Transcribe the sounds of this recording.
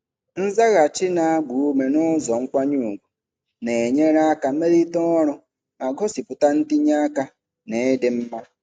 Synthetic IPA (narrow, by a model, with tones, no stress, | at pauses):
n̩˦za˦ɣa˨t͡ʃɪ˦na˨a˦ɡ͡bʷu˨u˦me˨nʊ˦zɔ˨ŋ̩˦kʷa˦ɲuː˦˨ɡʷe˨ | ne˨e˨ɲe˦ɾa˦ka˨˦me˦ɾi˦tɔ˦ɔ˦ɾʊ˦ | a˨ɡɔ˦si˨pʊ˨ta˦n̩˦tɪ˦ɲa˦ka˦ | ne˨˦de˨m̩˦ma˦